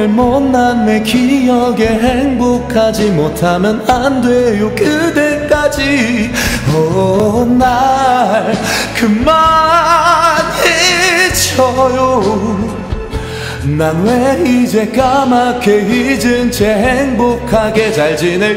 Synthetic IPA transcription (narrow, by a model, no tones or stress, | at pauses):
ɭmʌnːanːekijʌɡe̞ɦeŋbokʰad͡ʑimotʰamjʌnandwejokɯdek͈ad͡ʑi | ʌ | naɭkɯma | net͡ɕʰʌjo | nanweid͡ʑekamakʰeɦid͡ʑɯnt͡ɕeɦeŋbokʰaɡe̞t͡ɕaɭd͡ʑine